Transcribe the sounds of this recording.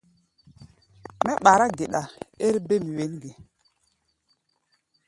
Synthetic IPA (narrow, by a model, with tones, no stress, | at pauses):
mɛ˦ɓa˨ɾa˦ɡe˨ɗa˨e˦ɾbe˦˨mi˨we˨˦nɡe˨